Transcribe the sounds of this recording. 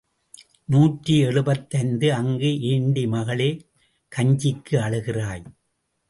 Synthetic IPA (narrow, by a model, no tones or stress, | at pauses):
nuːʈriɛɻɯbɐt̪ːɐnd̪ɯɐŋɡɯʔeːɳɖimɐɣɐɭeː | kɐɲd͡ʒɪkːɯɐɻɯɣɪraːj